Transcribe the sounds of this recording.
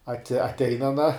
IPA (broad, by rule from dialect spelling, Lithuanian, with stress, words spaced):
ɐˈtʲɪ ɐtʲˈɛɪn ɐˈnɐ